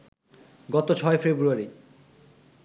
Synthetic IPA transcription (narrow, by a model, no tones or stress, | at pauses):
ɡɔt̪ot͡ɕʰɔefebɾuaɾi